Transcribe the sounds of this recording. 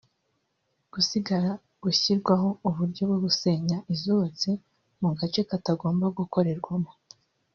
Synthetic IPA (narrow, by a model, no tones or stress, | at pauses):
ɡ̥usiɡaɾa | ɡ̥uçiɾɡwaɦo̞uβuɾɟo̞bɡweɡuse̞ɲaʔizuβat͡si | muɡat͡ʃe̞kataɡo̞ːmbaɡuko̞ɾe̞ɾɡwamo